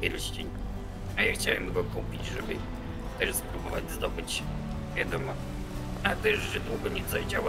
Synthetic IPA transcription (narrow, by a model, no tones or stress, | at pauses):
ɛlɕt͡ɕiɲ | ajaxt͡ɕawɛmɡɔkupʲid͡ʑʐɛbɘ̰ | t̪ɛʂspɾubɔva̰d͡ʑzd̪ɔbɘt͡ɕ | vʲjad̪ɔmɔ | naɡlɛʐʐɛd̪wuɡɔɲɛzajd͡ʑaw